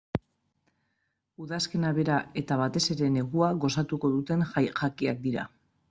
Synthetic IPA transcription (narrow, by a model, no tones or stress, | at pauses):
uðaske̞naβe̞ɾae̞t̪aβ̞at̪e̞se̞ɾe̞ne̞ɣuaɣo̞sat̪uko̞ðut̪e̞nʝakiak̚d̪iɾa̰